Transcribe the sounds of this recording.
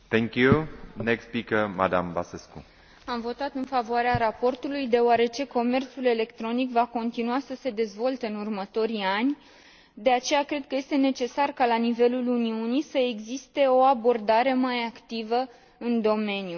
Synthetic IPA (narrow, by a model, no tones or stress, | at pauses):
t̪ɛ̃ŋkjunekspikəma̰d̪a̰mba̰sesku | amvo̞t̪at̪ɨnfavoaɾeaɾapo̞rt̪ulujd̪e̞oaɾe̞t͡ʃe̞ko̞me̞rt̪sule̞le̞kt̪ɾo̞nikvako̞nt̪inuasəse̞d̪e̞zvo̞lt̪e̞ɨnurmət̪o̞ɾianʲ | d̪e̞at͡ʃe̞jakɾe̞d̪̚kəje̞st̪e̞ne̞t͡ʃe̞sarkalanive̞luluniunisəe̞ɡzist̪e̞o̞abo̞rd̪aɾe̞majakt̪ivə | ɨnd̪o̞me̞nju